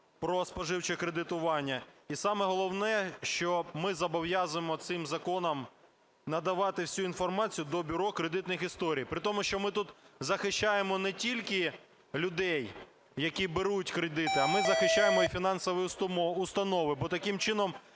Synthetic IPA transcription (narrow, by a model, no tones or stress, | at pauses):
pɾɔspɐʒɪwt͡ʃɛkɾed̪ɪt̪ʊʋɑnʲːɐisɑmɛɦɔlˠɔwnɛʃt͡ʃɔmɪzɐbɔwjazʊemɔt̪sɪmzɐkɔnɐm | nɐd̪ɐʋɑt̪ɪwsʲuin̪fɔrmɑt͡sʲijʊd̪ɔbʲʊɾɔkɾed̪ɪt̪nɪxist̪ɔɾʲijpɾɪt̪ɔmʊʃt͡ʃɔmɪt̪ut̪zɐxɪʃt͡ʃajemɔnɛtʲilʲkɪ | lʲʊd̪ɛj | jɐkʲibeɾutʲkɾed̪ɪt̪ɪɐmɪzɐxɪʃt͡ʃːajemɔifʲinɑnsɔʋɔjʊst̪ɐnɔʋɪbɔt̪ɐkɪmt͡ʃɪnɔm